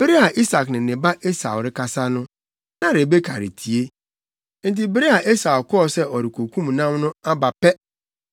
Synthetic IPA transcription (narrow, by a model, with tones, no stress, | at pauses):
b̥e˦ɾe˦a˨ʔi˦sa˨knɪ̃˨nɪ̃˨ba˦ʔe˦sa˨wɾɪ˦ka˦sa˦nʊ̃˦ | nã˦ɾe˨be˦kʰa̰˨ɾḭ˨tʰi˨e˦ | n̩˨t̬ɪ˦be˦ɾe˦a˨ʔe˦sa˨ʊ˨kɔ˦ɔ˨sɛ˦ɔ˨ɾɪ˨kʰo˨kũ˦m˨nã˦mnʊ̃˦a˦ba˨pɛ˦